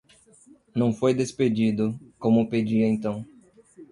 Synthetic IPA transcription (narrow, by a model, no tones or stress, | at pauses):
nɐ̃w̃fojd̪esped͡ʒid̪ʊkõmʊped͡ʒiɐẽnt̪ɐ̃w̃